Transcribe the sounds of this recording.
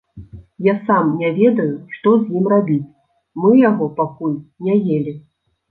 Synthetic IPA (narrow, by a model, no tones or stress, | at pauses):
jasamnʲɛvʲɛd̪ɐjuʂt̪ɔzʲjimrabʲit͡sʲ | mɨjaɣɔpakulʲnʲɛjelʲi